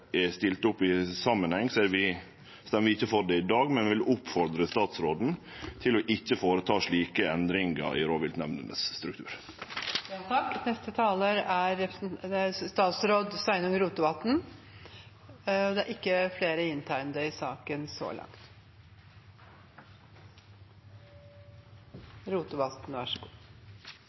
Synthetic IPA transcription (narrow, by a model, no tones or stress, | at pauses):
ɛst̪ɪlt̪ʊpːɪsɑmːənhɛŋːseɾʋɪ | st̪ɛmʋɪɪçəfɔɖ̪ɛɪd̪ɑːɡmɛnʋʋɪlʊpfɔɾd̪ɾəst̪ɑːt̪sɾoːd̪n̩ | t̪ʰɪlɔʔɪçːəfoːɾət̪ʰɑːʂɭiːkəɛnd̪ɾɪŋə̰ɾɪ̰ɾoːʋɪlt̪nɛʋnə̰nə̰sːt̪ɾʉkt̪ʉ̰ːɾ | t̪ʰɑknɛst̪ət̪ʰɑːləɾʔæɾɛd̪ɛæɾst̪ɑːt̪sɾoːd̪sæɪnʊŋɾuːt̪ʊʋɑt̪n̩ | ɔd̪ɛæɾʔɪkːəfleːɾəɪnt̪ʰæɪnd̪əɪsɑːkənsɔ̰ːlɑ̰ŋt̪ | ɾuːt̪ʊʋɑt̪nʋæʂəɡṵː